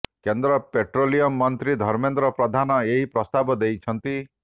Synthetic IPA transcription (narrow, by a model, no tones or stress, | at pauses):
kend̪ɾɔpeʈɾolijɔmːɔnt̪ɾid̪ʱɔɾmend̪ɾɔpɾɔd̪ʱanɔeɦipɾɔst̪abɔd̪ejt͡ʃʰɔnt̪i